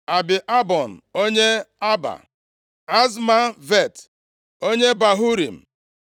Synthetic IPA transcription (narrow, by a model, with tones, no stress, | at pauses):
a˨bɪ˨ʔa˦bɔ˨n̩˨o˦ɲe˦a˦ba̰˨ | a˦zma˦ve˦˨t | o˦ɲe˦ba˨ɦu˦ɾḭ˨m̩˨